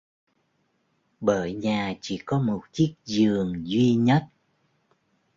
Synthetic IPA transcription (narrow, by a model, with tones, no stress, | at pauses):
ɓəː˧˨jɲaː˨˩t͡ɕḭ˧˩kɔ˨˦mo˨˩t̚t͡ɕi˦˥ək̚zɨ˨˩əŋzwi˧ɲə˦˥t̚